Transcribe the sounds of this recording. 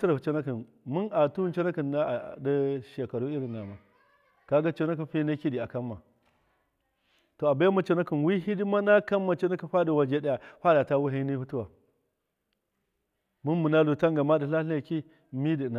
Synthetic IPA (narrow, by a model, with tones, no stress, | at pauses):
ti˦ɾa˨u˨t͡ʃo˦na˦ki˨n | mu˦na˨tu˦nt͡ʃo˦na˦ki˨na˦˨da˦ʃe˨ka˨ɾu˦i˦ɾi˨nːa˨ma˨ | ka˦ɡa˦t͡ʃo˦na˦k̬i˨nɸi˦na˦ki˦di˨a˨ka˦mːa˨ | to˨a˨ba˦a˦ma˨t͡ʃo˦na˦ki˨nwi˦ɦi˦di˦ma˦na˦ka˦mːa˨t͡ʃo˦na˦ki˦˨ɸa˦di˨wa˨d͡ʒe˦da˦ja˨ɸa˦da˨ta˦wu˦ɦi˦ni˦hu˦tu˦wa˨ | mu˦nmu˨na˦lu˨ta˦ŋɡa˨ma˦di˨ɬa˦ɬa˨ki˦ | mi˦di˨na˨